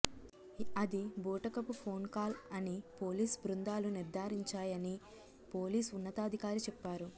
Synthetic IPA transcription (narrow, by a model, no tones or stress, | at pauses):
ɐd̪iboːʈɐkɐpupʰo̞ːnkaːlɐnipo̞ːliːsbɾund̪aːluniɾd̪ʱaːɾiɲt͡ʃaːjɐni | po̞ːliːsunːɐt̪aːd̪ʱikaːɾit͡ʃɛpːaːɾu